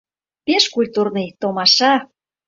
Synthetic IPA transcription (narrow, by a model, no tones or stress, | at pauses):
peʃkulʲt̪urnɤjt̪omɑʃɑ